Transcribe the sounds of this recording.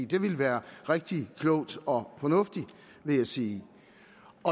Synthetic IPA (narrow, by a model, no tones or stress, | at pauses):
ḭːd̥e̝ʋe̝lʋæːɐʁeɡ̥̚d̥ikʰlɔʊ̰d̥ɒ̽fɒ̽nɔ̽fd̥i | ʋe̝jɑɪsiː | ɒ̽